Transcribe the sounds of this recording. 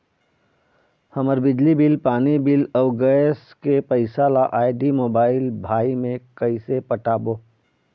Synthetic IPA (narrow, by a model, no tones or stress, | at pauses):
hɐməɾbɪd͡ʒlibɪlpaːnibɪlɔɡəskepɐɪsalaʔaːɪɖimoːbaːɪlbʱaːimẽkɐɪsepəʈaːboː